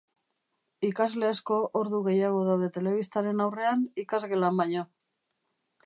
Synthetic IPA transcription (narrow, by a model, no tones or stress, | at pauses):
ikazle̞ːsko̞ʔoɾðuɣe̞jaɣ̞o̞ð̞awðe̞t̪e̞le̞β̞ist̪aɾe̞nawre̞anikazɣe̞lambaɲo̞